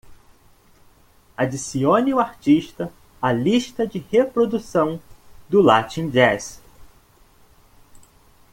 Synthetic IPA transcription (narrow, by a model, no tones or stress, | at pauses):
ad͡ʒisiõniʊaɾt͡ʃiʃt̪ɐ | aliʃt̪ɐd͡ʒɪhepɾod̪usɐ̃w̃d̪ʊlat͡ʃĩd͡ʒɛs